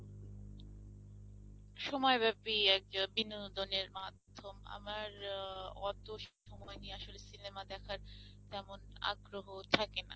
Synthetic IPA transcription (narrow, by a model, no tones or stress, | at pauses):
ʃɔmɔebɛpiɛkbinod̪oneɾmad̪ʱːoma̰maɾɔt̪oʃe̥ʃɔmɔenieaʃolesinemad̪ɛkʰaɾ | t̪ɛmona̰ɡɾoɦot̪ʰakena̰